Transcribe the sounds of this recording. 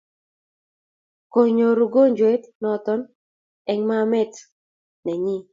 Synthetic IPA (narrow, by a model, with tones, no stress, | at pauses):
ko˨ɲo˨ɾu˨ɡo˦ɲd͡ʒwɛ˦tnɔ˨t̪ɔ˦n | ɛ˨ŋma˦mɛ˦t | nɛ˨ɲi˦